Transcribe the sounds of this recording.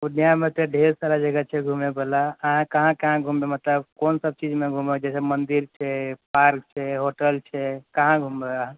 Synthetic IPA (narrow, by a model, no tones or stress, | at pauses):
unjamet̪eɖʱeɾsalad͡ʒəɡat͡ʃʰɛɡʱumebelaːɦãkəɦãkəɦãɡʱumbemət̪ləbkonsəb̚t͡ʃid͡ʒmeɡʱumed͡ʒɛsemənd̪iɾt͡ʃʰɛpaɾk̚t͡ʃʰɛɦoʈəlt͡ʃʰɛkəɦãɡʱumbeaɦã